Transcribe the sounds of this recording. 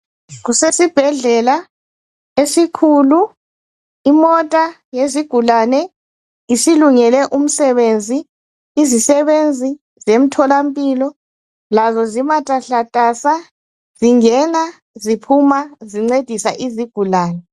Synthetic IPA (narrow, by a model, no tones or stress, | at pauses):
ɣusesib̥ʱɛɮɛla | esikʰulu | imɔtʼa | jeziɡ̥ʱulanɛ | isiluŋɛlɛʔum̩sɛβend͡zʱiː | zisɛβend͡zʱi | zem̩tʰɔlampʼilɔ | lazɔzimatʼaɬatʼasa | z̥iŋɛna | zipʰumaziŋ͡ǀed̥ʱisa̰ʔiziɡ̥ʱulaːnɛ